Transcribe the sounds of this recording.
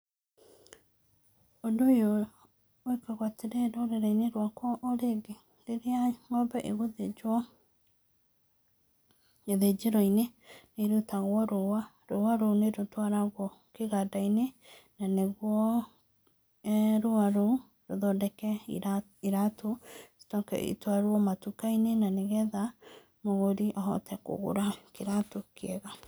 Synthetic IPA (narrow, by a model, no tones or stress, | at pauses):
ondoejo | oikaɣwateɾeɾoɾeɾaineɾwakwɔʔoɾeɡe | leɾeaŋɔbɛʔeɣuðed͡ʒwɔ | eðed͡ʒeɾɔineneɾutaɣwɔɾowa | ɾowaɾoneɾotwaɾaɣwɔkeɣadainenaneɣwɔ | ɾoaɾo | ɾoðɔdɛkɛ | iɾato̥tɔkɛ̰ʔḭtwaɾwɔmatukainenaneɣɛða | moɣoɾiʔaɦɔ̰tʰɛko̰ɣo̰ɾakeɾatokeɛɣa